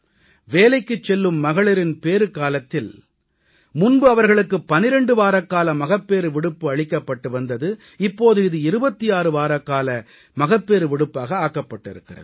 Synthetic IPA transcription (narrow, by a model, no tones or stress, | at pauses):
ʋeːlɐɪkːɯt͡ʃːɛlːɯmːɐɣɐɭɐɾɪnpeːɾɯkaːlɐt̪ːɪl | mʊnbɯɐʋɐɾɣɐɭɯkːɯpːɐnɪɾɛɳɖɯʋaːɾɐkːaːlɐmɐɣɐpːeːɾɯʋɪɽɯpːɯɐɭɪkːɐpːɐʈːɯʋɐnd̪ɐðɯ | ɪpːoːðɯɪðɯɪɾɯbɐt̪ːijaːɾɯʋaːɾɐkːaːlɐ | mɐɣɐpːeːɾɯʋɪɽɯpːaːɣɐaːkɐpːɐʈːɪ̰ɾɯkːɪrɐ̰ðɯ